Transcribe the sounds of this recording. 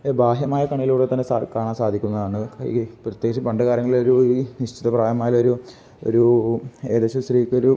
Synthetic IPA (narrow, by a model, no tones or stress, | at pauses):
baːɦjɐmaːjɐkɐɳɐjiluːɽet̪ɐnːesakaːɳaːmsaːd̪ʱikʲːunːɐðaːɳːɨ̰prɐt̪je̞ːɡit͡ɕːɐmpɐɳɖɐɣaːɾɐŋːɐɭiloɾuniɕt͡ɕiðɐpraːjɐmaːjɐoɾu | o̰ɾueːðeɕɐsriːkːoɾu